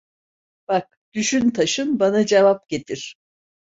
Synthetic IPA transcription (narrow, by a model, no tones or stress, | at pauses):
b̥ak̚ | d̪̥yʃynt̪ʰaʃɯnbanad͡ʒevap̚ɟet̪ʰiɾ̥